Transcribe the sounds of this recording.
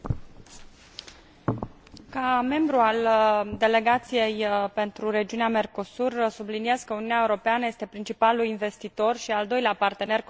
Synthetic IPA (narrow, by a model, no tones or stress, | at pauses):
kame̞mbɾuald̪e̞le̞ɡat̪sije̞jpe̞nt̪ɾuɾe̞d͡ʒiuneame̞rko̞sursubliniezkəuniuneaeuɾo̞peanəje̞st̪e̞pɾint͡ʃipalulinve̞st̪it̪o̞rʃiald̪o̞jleapart̪e̞ne̞r